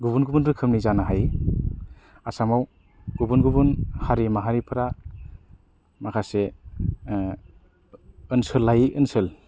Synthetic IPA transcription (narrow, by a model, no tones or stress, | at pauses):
ɡubunɡubunɾɯkʰɯmnizanaɦaj | asamaw | ɡ̥ubunɡubunhaɾimaɦaɾipʰɯɾa | makʰase | ɯnsɯlːajʔɯnsɯl